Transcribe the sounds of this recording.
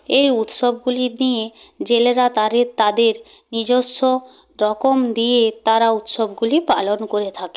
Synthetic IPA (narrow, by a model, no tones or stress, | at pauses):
ejut̪ʃobɡulinije | d͡ʑeleɾat̪aɾet̪ad̪eɾ | nid͡ʑosːo | ɾɔkomd̪ijet̪aɾaut̪ʃobɡulipalonkoɾet̪ʰake